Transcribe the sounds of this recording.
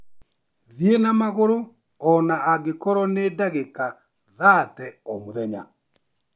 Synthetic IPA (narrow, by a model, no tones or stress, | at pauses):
ðienamaɣoɾo | ɔnaaɡekɔɾɔnedaɣeka | ðatɛɔmoðɛɲa̰